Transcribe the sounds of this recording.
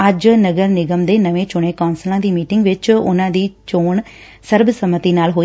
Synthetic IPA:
əd͡ʒnəɡəɾnɪɡəmd̪eːnəʋẽːt͡ʃʊɳ̃ẽːkɔːnsəlãːd̪iːmiːʈɪŋɡʋɪt͡ʃʊ̰nãːd̪iːt͡ʃoːɳ | səɾbsəmət̪iːnaːlɦoː

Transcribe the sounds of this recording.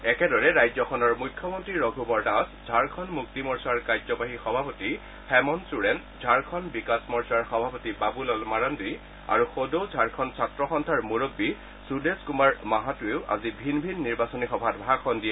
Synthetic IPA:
ɛkɛdɔɹɛɹajzɔkʰɔnɔɹmukʰːjɔmɔntɹiɹɔɡʱubɔɹdaszʱaɹkʰɔnmuk̚timɔɹsaɹkajzɔpaɦixɔbʱapoti | hɛmɔnsuɹɛn | zʱaɹkʰɔnbikasmɔɹsaɹxɔbʱapotibabulɔlmaɹɔndi | a̰ɹuxodozʱaɹkʰɔnsʰatɹɔxɔntʰaɹmuɹobːi | sudeskumaɹmaɦatueʊʔa̰zibʱinbʱinːiɹbasɔnixɔbʱatbʱakʰɔndiɛ

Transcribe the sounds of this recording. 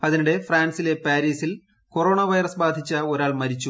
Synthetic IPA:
ɐðinuɽe̞fraːnsile̞paːɾiːsil | ko̞ro̞ːɳɐʋɐjrɐsbaːd̪ʱit͡ɕːɐo̞ɾaːɭmɐɾit͡ɕːu

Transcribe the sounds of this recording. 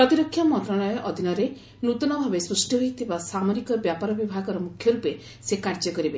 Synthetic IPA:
pɾɔt̪iɾɔkʰːjamɔnt̪ɾaɭɔjɔʔɔd̪ʱinɔɾe | nut̪ɔnɔbʱabesɾusʈiɦojt̪ʰibasamɔɾikɔbjapaɾɔbibʱaɡɔɾɔmukʰːjɔɾupe | sekaɾd͡ʒɔkɔɾibe

